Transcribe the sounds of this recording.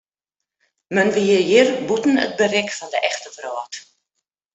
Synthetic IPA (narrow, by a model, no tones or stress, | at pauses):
mənʋiəjɪrbutn̩ə̰t̚bərɛkfɔndəʔɛxtəfrɔːt